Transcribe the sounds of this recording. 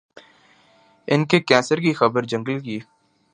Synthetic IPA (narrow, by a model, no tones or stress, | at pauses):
ɪnkekɛ̃ːnsəɾkixɐbəɾd͡ʒə̃ŋɡəlkiː